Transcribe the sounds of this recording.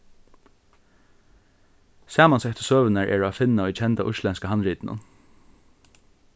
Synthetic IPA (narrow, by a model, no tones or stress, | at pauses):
saːmansɛht̪ə̥søːʋənaɹʔɛ̰ɹːafɪnːaʊjt͡ʃʰɛnt̪aʔʊʃlɛnskaɦanɾiːt̪nʊ̰n